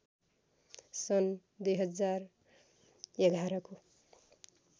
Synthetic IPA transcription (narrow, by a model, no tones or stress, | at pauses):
sʌn | d̪ujɦʌd͡zar | eɡʱaɾʌko